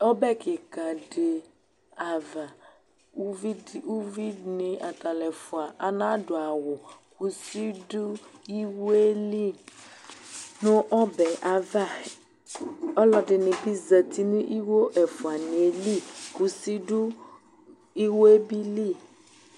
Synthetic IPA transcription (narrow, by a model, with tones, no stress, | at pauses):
ɔ˦bɛ˦kɪ˨ka˨ɖɪ˨ | a˨va˨˦ | vi˦˨u˦vi˦nɪ̃˨ʔa˨ta˨lɛ˨fʊ˨a˨ʔa˨nã˦dʊ˨a˨wʊ˨ku˨si˦du˦i˦wo˦e˦li˦˨ | nʊ̃˦ʔɔ˦bɛ˨ʔa˨va˦˨ | ɔ˦lɔ˨dɪ˨nɪ̃˨bi˦zə˨t̪i˦nĩ˦ʔi˦wo˦ʔɛ˨fʊ˨a˨nĩ˨e˨li˦˨ku˨si˦du˦ | i˦wo˦e˦bi˦li˦˨